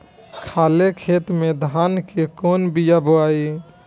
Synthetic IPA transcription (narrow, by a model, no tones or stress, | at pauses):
kʰaːlekʰet̪mẽd̪ʱankekonbijaboai